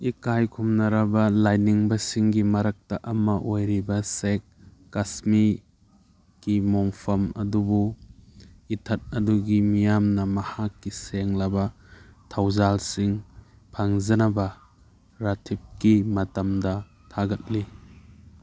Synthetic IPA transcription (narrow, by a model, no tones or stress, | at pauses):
ikajkʰumnɐɾɐbɐlajniŋbɐsiŋɡimɐɾɐk̚taʔɐmɐʔojɾibɐsek̚ː | asmi | ɡ̥imɔŋpʰɐmɐ̰dubu | itʰɐt̚ɐduɡimijamnɐmɐhakːiseŋlɐbɐ | tʰawzalsiŋ | pʰaŋzɐnɐbɐ | ɾatʰip̚kimɐtɐmdɐ | tʰaɡɐt̚li